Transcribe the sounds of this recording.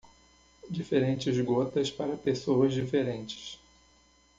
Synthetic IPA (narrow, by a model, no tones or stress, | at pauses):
d͡ʒifeɾẽnt͡ʃɪzɡot̪ɐspaɾɐpesowɐzd͡ʒifeɾẽnt͡ʃɪ̥s